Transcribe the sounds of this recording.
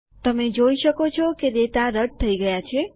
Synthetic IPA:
t̪əmed͡ʒoiʃəkot͡ʃʰɔkeɾet̪aɾəʈ̚t̪ʰəiɡəjat͡ʃʰe

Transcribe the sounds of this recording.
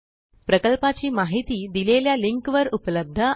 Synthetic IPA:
pɾəkəlpat͡ɕiːmaɦit̪iːd̪ileljaliŋkʋəɾupləb̚d̪ʱə

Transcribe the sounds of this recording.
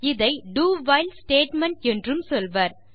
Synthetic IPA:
ɪðɐɪɖuːʋɐɪlsʈeːʈmɐɳʈɛndrɯmsɔlʋɐːɾ

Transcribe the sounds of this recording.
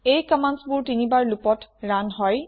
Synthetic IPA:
ejkamansbʊɹtinibaɹlupɔtɹanɦɔj

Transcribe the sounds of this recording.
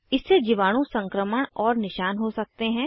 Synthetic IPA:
ɪsːed͡ʒiʋaːɽ̃õsɐ̃ŋkɾəməɽ̃ɔːɾnɪʃaːnɦosɐk̚t̪eɦɛ̃ː

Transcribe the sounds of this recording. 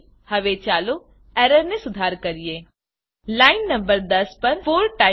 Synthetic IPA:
həʋet͡ʃaːlo | ɛːɾəɾnẽsʊd̪ʱaːɾkəɾijeː | laːɪnːə̃mbəɾd̪əspəɾfoːɾʈaː

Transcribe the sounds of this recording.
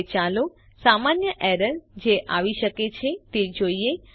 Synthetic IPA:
t͡ʃalo | samanjəʔɛɾəɾd͡ʒeʔaʋiʃəket͡ʃʰet̪ed͡ʒoie

